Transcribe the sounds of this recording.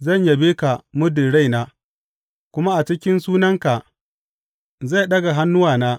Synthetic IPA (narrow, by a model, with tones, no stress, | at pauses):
zɐ˦˨ɲja˨beː˦ka˨mʊ˦dɪ˨ɽa˦˨jnaː˦ | kʷʊ˦ma˦ʔa˨t͡ʃɪ˦kʲɪ˦nsuː˦nɐ˦ŋka˨ | za˦˨ɗɐ˦ɡa˨ɦa˦nːʊ˦waː˨naː˦